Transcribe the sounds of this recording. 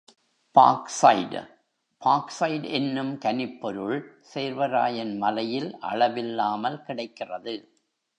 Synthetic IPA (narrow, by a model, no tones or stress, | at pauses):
pa̰ːksɐ̰ɪɖ | pʰaːksɐɪɖɛnːɯmkɐnɪpːɔɾɯɭseːɾʋɐɾa̰ːjɐnmɐlɐjɪlʔɐ̰ɭɐʋɪlːaːmɐlkɪɽɐɪkːɪrɐðɯ